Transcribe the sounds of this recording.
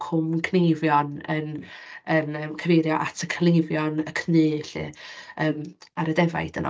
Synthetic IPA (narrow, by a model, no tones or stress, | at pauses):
kʰʊmkʰnejvjɔnə̰nənəmkʰəvejɾjɔʔatʰəkʰnejvjɔnəkʰnɨːɬɨ̰əːmaɾədɛva̰jd̥ənɔ̰